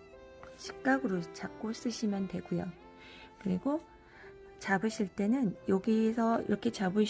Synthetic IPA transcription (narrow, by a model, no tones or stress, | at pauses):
ɕʰi̥k̚k͈aɡɯɾot͡ɕak̚k͈os͈ɯɕʰimjʌntwe̞ɡujo | kɯɾiɡo | t͡ɕabɯɕʰiɭt͈e̞nɯnjʌɡisʰʌḭɾʌkʰe̞t͡ɕabɯɕ